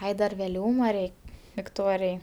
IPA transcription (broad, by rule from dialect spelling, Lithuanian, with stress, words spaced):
ˈɐɪ dɐr ʋʲɛˈlʲuːmɐ ˈrʲɛɪ ʋʲɪkˈtoːrʲɪjɛɪ